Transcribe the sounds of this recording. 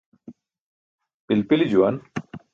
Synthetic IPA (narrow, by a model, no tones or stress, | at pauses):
pilpilid͡ʑuwɐn